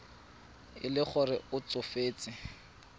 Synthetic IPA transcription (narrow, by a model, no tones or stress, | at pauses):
ɪ̰lɪχʊrɪʊt͡sʊfeːt͡sʼɪ